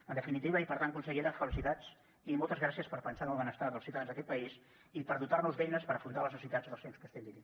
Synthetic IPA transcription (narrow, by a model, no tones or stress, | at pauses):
ənd̪əfinit̪iβəipəɾt̪ankunsəɣiɾəfəlisit̪at͡s | imɔlˠt̪əzɣɾasiəspəɾpənsanəlˠβənəst̪aðəlˠsiwt̪aðanzðəkɛt̪̚pəis | ipəɾðut̪arnuzβɛjnəspəɾəfɾunt̪aləznəsit̪ad͡zðəlˠsenmskəst̪ɛmd̪iβi